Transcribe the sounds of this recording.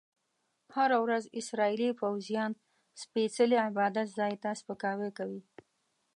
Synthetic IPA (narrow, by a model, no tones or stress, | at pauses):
haɾawɾazɪsɾɑilifawzijɑn | spesəliɪbɑd̪at̪zɑjt̪aspəkɑwekawi